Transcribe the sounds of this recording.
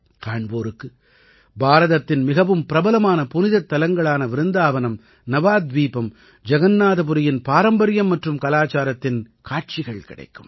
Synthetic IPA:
kaːɳboːɾɯkːɯ | bʱaːɾɐðɐt̪ːɪnmɪɣɐʋɯmpɪɾɐbɐlɐmaːnɐpʊnɪðɐt̪ːɐlɐŋɡɐɭaːnɐʋɪɾɯnd̪aːʋɐnɐm | nɐʋaːd̪ʋiːpɐm | d͡ʒɐɣɐnːaːðɐpʊɾɪjɪnpaːɾɐmbɐɾɪjɐmːɐʈrɯmkɐlaːt͡ʃaːɾɐt̪ːɪn | kaːʈ̚t͡ʃɪɣɐɭkɪ̰ɽɐ̰ɪkːɯm

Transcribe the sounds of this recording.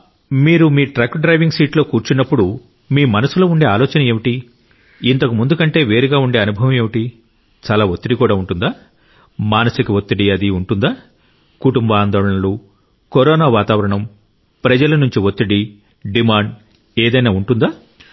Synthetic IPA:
miːɾumiːʈɾaːkɖɾɐjʋiŋɡsiːʈlo̞ːkuːɾt͡ʃunːɐpːuɽu | miːmɐnɐsuloːuɳɖe̞ːaːlɔːt͡ʃɐnɐe̞ːʋiʈi | int̪ɐkumund̪ukɐɳʈe̞ːʋe̞ːɾiɡaːuɳɖe̞ːɐnubʱɐʋɐme̞ːʋiʈi | t͡ʃaːlaːot̪ːiɽikuːɽaːuɳʈund̪aː | maːnɐsikiʋot̪ːiɽiɐd̪iuɳʈund̪aː | kuʈumbaːnd̪ɔːɭɐɳɐlu | koɾɔːnaːʋaːt̪aːʋɐɾɐɳɐm | pɾɐd͡ʒɐlɐnuɲt͡ʃiʋot̪ːiɽi | ɖimaːɳɖ | eːd̪ɐjnaːuɳʈund̪aː

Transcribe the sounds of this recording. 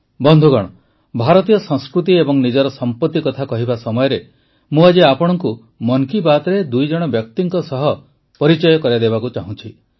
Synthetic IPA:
bɔnd̪ʱuɡɔɽ̃ɔ | bʱaɾɔt̪ijɔsɔ̃ŋskɾut̪̬iebɔŋnid͡ʒɔɾɔsɔmpɔt̪ːikɔt̪ʰakɔɦibasɔmɔjɔɾe | mũad͡ʒiapɔɽ̃ɔŋku | mɔŋkibat̪ɔɾed̪ujd͡ʒɔɽ̃ɔbjɔk̚t̪iŋkɔsɔɦɔ | pɔɾit͡ʃɔjɔkɔɾjad̪ebakut͡ʃaɦũt͡ʃʰi

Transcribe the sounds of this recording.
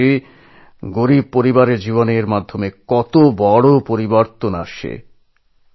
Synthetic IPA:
e | ɡoɾib̚poɾibaɾeɾd͡ʑiβoneɾmad̪ʱːomekɔt̪obɔɽopoɾiboɾt̪ona̰ʃḛ

